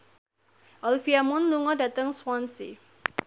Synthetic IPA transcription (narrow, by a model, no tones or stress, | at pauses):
ʔɔlfiamɔnluŋɔdat̪əŋswansḭ